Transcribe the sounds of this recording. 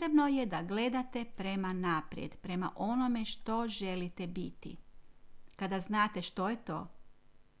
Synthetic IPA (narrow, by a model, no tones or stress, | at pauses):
t̪ɾebno̞jed̪aɡle̞d̪at̪e̞pɾe̞manapɾjḛd̪pɾe̞ma̰ʔo̞no̞me̞ʃt̪o̞ʒe̞lit̪e̞bit̪ḭ | kad̪aznaːt̪e̞ʃt̪o̞jet̪o̰ː